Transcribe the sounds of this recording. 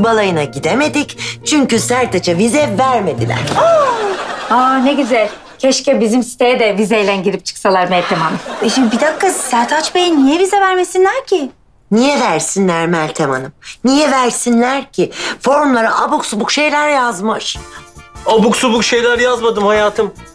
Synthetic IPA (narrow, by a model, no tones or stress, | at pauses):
balˠajɯnaɟid̪eme̞d̪ict͡ʃʰyɲcysæɾd̪et͡ʃʰɛvizɛvæɾme̞d̪ilʲæ̰ɾ̥a | aːneɟizɛlʲ | cʰɛʃcɛbizimsi̥t̪ʰejɛd̪ɛvizejlʲænɟiɾip̚t͡ʃʰɯ̥ksalˠaɾmɛlʲt̪ʰemanɯʃimd̪ibid̪akʰːasæɾt̪ʰat͡ʃbejinːijɛvizɛvæɾmesinlʲæɾcʰɪ | nijɛvæɾsinlʲæɾmælʲt̪ʰema̰nɯmnijɛvæɾsinlʲæɾcʰifo̞ɾmlˠaɾaʔabuksubukʃe̞jlʲæɾjazmɯʃ | abuksubukʃe̞jlʲæɾjazmad̪ɯmhajaːt̪ʰɯm